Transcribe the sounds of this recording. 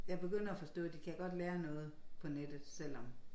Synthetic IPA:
jɑ̈ɪb̥e̝ɡ̥øn̰ɐæfɒ̽sd̥ɔ̰̽ːd̥ikʰæɡ̥ɒ̽d̥leːɐnɔ̽ːð̞̩ˠpʰɒ̽ned̥ð̩ˠsel̰ɒ̽m

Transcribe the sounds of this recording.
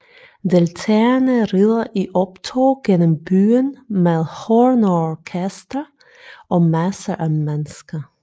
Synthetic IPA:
d̪elt̪ʰɛɐnəɾɪðˠɐʔiʔɔpt̪ʰoːɡ̥ɛnɔmb̥yːənmeðhɔɹnɔkʰɛst̪ə | ʔɔːmæsəʔæmɛnəskə

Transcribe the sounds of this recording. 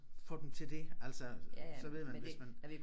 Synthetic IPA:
fɒ̽ːd̥emt͡sʰe̝ld̥e̝æl̰sɒssɒ̽ʋe̝ð̞̰ˠmænʋesmæn

